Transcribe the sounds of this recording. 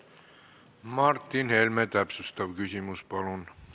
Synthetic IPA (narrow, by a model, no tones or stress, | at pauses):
mɑrt̪ːinhelmet̪æpsust̪ɑʋkysymyspɑlun